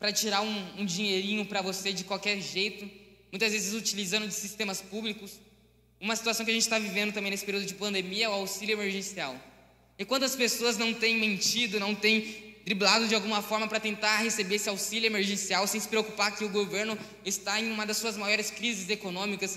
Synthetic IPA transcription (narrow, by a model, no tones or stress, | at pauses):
pɾɐt͡ʃiɾaɾũũd͡ʒĩɲeɾĩɲʊpɾɐvosed͡ʒɪkwawkɛɾʒejt̪ʊmũj̃t̪ɐzvezɪzut͡ʃilizɐ̃nd̪ʊd͡ʒɪsist̪ẽmɐspublikʊs | ũmɐsit̪uasɐ̃w̃kɪɐʒẽnt͡ʃɪ̥t̪avivẽnd̪ʊt̪ɐ̃mbẽesɪ̥peɾiud̪ʊd͡ʒɪpɐ̃nd̪emiɐɛʊawsiljʊemeɾʒẽsiaw | ɪkwɐ̃nt̪ʊɐspesoɐznɐ̃w̃t̪ẽj̃mẽnt͡ʃid̪ʊnɐ̃w̃t̪ẽj̃t̪ɾiblad̪ʊd͡ʒɪawɡũmɐfɔɾmɐpɾɐt̪ẽnt̪ahesebeesɪawsilʊemeɾʒẽsiawsẽj̃sɪ̥pɾeokupakɪʊɡoveɾnʊ | ɪst̪aẽj̃ũmɐd̪ɐsːuɐzmajɔɾɪskɾizɪzekonõmikɐs